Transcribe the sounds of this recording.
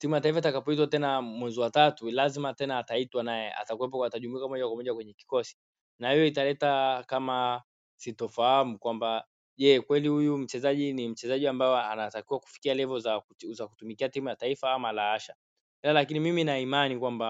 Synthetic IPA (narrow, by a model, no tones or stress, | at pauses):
timujataifaitakapɔitwatɛnamwɛziwatatulazimatɛnaːtaitwanajɛa̰takuwɛp̬ɔataʄumuikamɔʄakwamɔʄakwɛɲɛki̥kɔsi̥ | nahijɔitalɛtakama | sitɔfahamukwamba | ʄɛkwɛlihujum̩t͡ʃɛzaʄinim̩t͡ʃɛzaʄiambajɔanatakiwaku̥fi̥kialɛvɔza | zaku̥tumikiatimujataifaamalaaʃa | ɛlalakinimiminaimanikwamba